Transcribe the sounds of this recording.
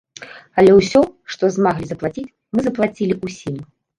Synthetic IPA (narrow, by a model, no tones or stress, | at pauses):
ɐlʲɛwsʲɔʂt̪ɔzmaɣlʲizɐplˠat͡sʲit͡sʲ | mɨzɐplˠat͡sʲilʲiusʲim